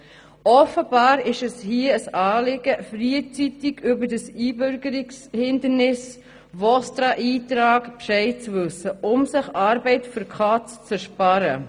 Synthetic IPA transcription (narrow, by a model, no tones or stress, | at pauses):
ʔɔfəb̥ɑːɾɪʃɛshiəəsɑːlɪɡəfriət͡sitɪɡ̥ʏbədəsiːbʏɾɡəɾɪkshɪndəɾnɪs | vɔstɾɑʔiːtɾɑːɡpʃɛɪt͡svʉsəʔʊmsɪχɑːɾbɛɪtføɾkʰχɑːt͡st͡sɛɾʃpɑɾə